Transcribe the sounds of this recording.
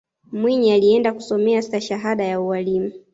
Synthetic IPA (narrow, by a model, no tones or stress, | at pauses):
mwiɲialiɛndaku̥sɔmɛasaʃaɦaɗajauwalimu